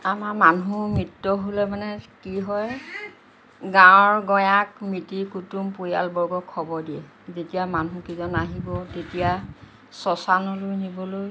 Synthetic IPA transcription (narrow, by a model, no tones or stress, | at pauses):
amaɹmanumɹitːɔɦolɛmanɛkiɦɔj | ɡãɔɹɡɔjakmitikutumpoja̰lbɔɹɡɔkʰːɔbɔdiɛ | zetijamanukizɔnaɦibɔtetija | sɔsanɔlojnibɔloj